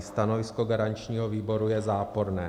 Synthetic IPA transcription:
st̪anovɪskoɡaɾaɲt͡ʃɲiːɦoviːbo̞ɾujɛzaːpo̞ɾnɛː

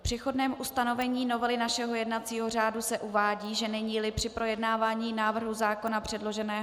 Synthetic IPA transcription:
pr̥ɛxo̞dnɛːmʔust̪ano̞vɛɲiːno̞vɛlɪnaʃɛɦojɛdnat̪t͡siːɦo̞r̝aːdusɛʔuvaːɟiːʒɛnɛɲiːlɪpr̥ɪpɾo̞jɛdnaːvaːɲiːnaːvr̩ɦuzaːko̞napr̥ɛdlo̞ʒɛnɛːɦ

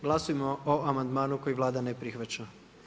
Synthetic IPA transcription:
ɡlˠasujemooamand̪maːnuko̞jiʋlˠaːd̪anepɾixʋat͡ɕa

